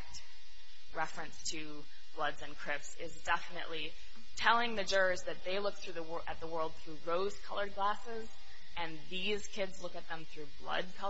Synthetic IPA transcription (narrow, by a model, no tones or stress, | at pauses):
t | ɹɛfɹɨ̃nstʰɨ | b̥lʌdzɨ̃nkʰɹ̥ɪfsɪzdɛfənɨ̰ʔli | tʰɛlˠɪ̃ŋðɨd͡ʒɜ˞zðɨt̪̚ðeɪlʊk̚θɹʉðəwʔɨt̪̚ðəwɜ˞lˠd̪̚θɹʉɹoʊz̥kʰʌlˠə˞d̚ɡlæsɪz | ɨ̃nðiz̥kʰɪdzlʊkɨt̪̚ðə̃mθɹʉblʌ̰d̚kʰʌ